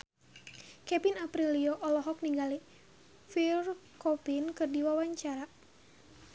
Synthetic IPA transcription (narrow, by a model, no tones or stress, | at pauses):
kɛpinapɾiliɔʔɔlɔɦɔk̚niŋɡali | firkɔpinkɨrdiwawaɲt͡ʃaɾa